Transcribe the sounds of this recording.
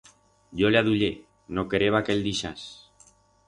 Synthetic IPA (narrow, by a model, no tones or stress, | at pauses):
ʎoleaðuʎe | nokeɾeβakeld̪iʃas